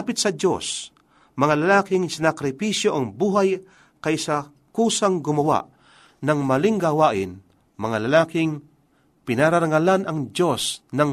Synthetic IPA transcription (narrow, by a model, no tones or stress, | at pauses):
apɪt̪sɐd͡ʒo̞̰s | mɐŋalɐlaːkɪŋsɪnakɾɪpiʃjo̞ʔɐŋbuːɦaj | kɐjsɐ | kuːsɐŋɡʊmɐwa̰ʔ | nɐŋmɐlɪŋɡawaːʔɪn | mɐŋalɐlaːkɪŋ | pɪnaɾaɾɐŋɐlanɐŋd͡ʒo̞snɐŋ